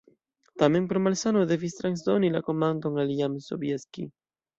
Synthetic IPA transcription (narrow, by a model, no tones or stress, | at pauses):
t̪ameŋpɾomalsanod̪evist̪ɾansd̪onilakomand̪oŋaliamiso̰bjeskḭ